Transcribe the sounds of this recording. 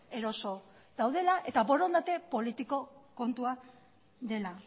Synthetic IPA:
e̞ɾo̞so̞ | ðawðe̞laʔe̞t̪abo̞ɾond̪at̪e̞po̞lit̪iko̞ko̞nt̪ua | ðe̞la

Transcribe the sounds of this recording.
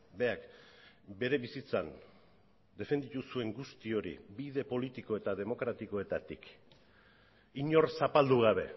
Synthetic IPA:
be̞ak | be̞ɾe̞βisit͡sa̰n | d̪e̞fe̞nd̪it̪usue̞ŋɡust̪io̞ɾḭbiðe̞po̞lit̪iko̞e̞t̪að̞e̞mo̞kɾat̪iko̞e̞t̪at̪ḭk | iɲo̞ɾsapald̪uɣ̞aβ̞e̞̰

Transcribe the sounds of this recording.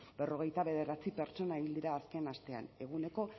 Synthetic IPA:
be̞ro̞ɣ̞e̞jt̪aβe̞ð̞e̞ɾat͡sipe̞ɾt͡ʃo̞naeβild̪iɾaːske̞nast̪e̞a̰ne̞ɣ̞une̞ko̞

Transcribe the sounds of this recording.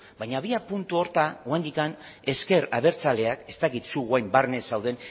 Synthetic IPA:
bajɲaβiapunt̪uo̞ɾt̪awand̪ikan | e̞ske̞ɾaβe̞ɾt͡sale̞ake̞st̪akit̪suɣwajmbarne̞sawð̞e̞n

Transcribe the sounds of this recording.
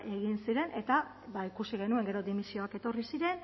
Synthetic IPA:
ʔe̞ɣinsiɾe̞nʔe̞t̪a | βaikusiɣ̞e̞nue̞ŋɡe̞ɾo̞d̪imisio̞ake̞t̪o̞risiɾe̞n

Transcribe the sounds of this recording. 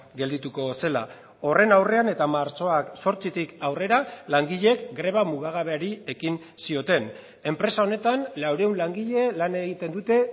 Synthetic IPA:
ɡe̞ld̪it̪uko̞se̞la̰ | o̞re̞nawre̞ane̞t̪amaɾt͡so̞akso̞ɾt͡sit̪ikawre̞ɾalaŋɡiʎekɡɾe̞βamuɣ̞aɣ̞aβ̞eaɾie̞kin | sio̞t̪e̞n | e̞mpɾe̞sao̞ne̞t̪anlawɾe̞unlaŋɡiʎe̞lane̞ɣ̞it̪e̞nd̪ut̪e̞

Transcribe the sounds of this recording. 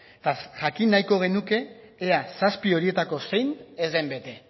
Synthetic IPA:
t̪aʝakinːajko̞ɣ̞e̞nuke̞ː | asaspio̞ɾie̞t̪ako̞se̞jnezd̪embe̞t̪e̞

